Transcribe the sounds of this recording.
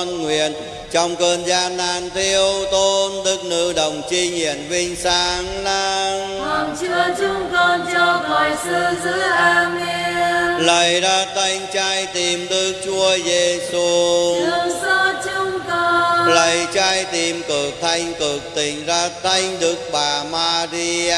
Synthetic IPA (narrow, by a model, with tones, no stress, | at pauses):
nŋwḭ˧˨ən | t͡ɕɔ˧wŋ͡mkəː˧nzaː˧nːaː˧nt̪ʰi˧əwt̪o˧nɗ̪ɨ˨˦˥k̚nɨ̰˧˥ɗə˨˩wŋ͡mt͡ɕi˧ɲḭ˨˧˨ənvi˧ŋ̟saː˧˦ŋla˧n | ɔ˨˩nt͡ɕɨ˧ət͡ɕʊ˧ŋ͡mkɔ˧nt͡ɕɔ˧mɔ˨jsɨ˧zɨ˨˧˦ʔaː˧mi˧ələ˨˩jzaː˧t̪ʰa˧jŋ̟t͡ɕaː˧jt̪i˨˩mɗ̪ɨ˨˩˦k̚t͡ɕu˧əjze˧su˧ɨ˧˦əŋsɔ˧t͡ɕʊ˧ŋ͡mk̪ɔ˧lə˨˩jt͡ɕaː˧jt̪i˨˩mkɨ˨˩ək̚t̪ʰa˧jŋ̟kɨ˨˩ək̚t̪ï˨˩ŋ̟zaː˧t̪ʰa˧jŋ̟ɗɨ˨˦˥ək̚ɓaː˨˩maː˧zi˧a